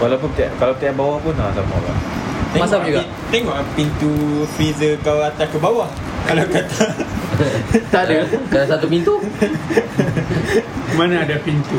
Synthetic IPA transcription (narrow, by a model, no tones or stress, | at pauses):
walawp̬unt̪ʔkalawt̪iaʔbawahpunlasama̰wa̰t̪ɛmasŋauɡai | t̪ɛŋɔʔpint̪ufizəkawat̪akəbawah | kalawkat̪a | t̪aʔdakadasat̪upint̪u | manãːdapint̪u